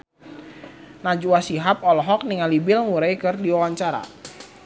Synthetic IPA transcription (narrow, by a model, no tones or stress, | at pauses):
nad͡ʒuasiɦap̚ɔlɔɦɔk̚niŋalibɪlŋuɾajkɨrdiwawaɲt͡ʃaɾa̰